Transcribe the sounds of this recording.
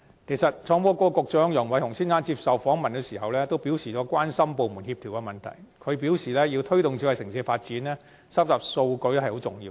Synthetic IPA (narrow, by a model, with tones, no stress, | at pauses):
kʰe˨˩sɐ˨t̚t͡ʃʰɔː˨˧ŋpɔː˧˥kɔː˧˥kʊ˨˧k̚t͡ʃœː˨˥ŋjʊ˨˩ŋwɐ˨˥jt̪ʊ˨˩ŋsiː˥nsaː˥nt͡siː˧p̚sɐ˨wfɔː˨˥ŋmɐ˨nkɛ˧siː˨˩ɦɐ˨wlɛː˥t̪o˥wpi˨˥wsiː˨˩ɔː˨˥kʷwaː˥nsɐ˥mpo˨wmuː˨˩nhi˧p̚t̪ʰiː˨˩wkɛ˧mɐ˨nt̪ʰɐ̰˨˩jkʰɵ˨˧ɥpi˨˥wsiː˨˩lɛː˥jiː˧wt̪ʰɵ˥ɥt̪ʊ˨ŋt͡sʰi˨˧˥wɐ˨jsɪ˨˩ŋsiː˧˥faː˧t̚t͡siː˨˥nlɛː˥ | sɐ˥p̚t͡saː˨p̚so˧wkɵ˧ɥt̪o˥hɐ˨jho˨˥wt͡sʊ˨ŋjiː˧w